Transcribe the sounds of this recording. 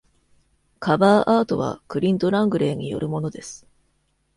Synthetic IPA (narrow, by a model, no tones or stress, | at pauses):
kʰabaːʔaːt̪o̞β̞a̰kɯ̟ɾʲĩnt̪o̞ɾãŋɡɯ̟ɾe̞ːɲ̟ijo̞̰ɾɯ̟mo̞no̞d̪e̞sɨ̥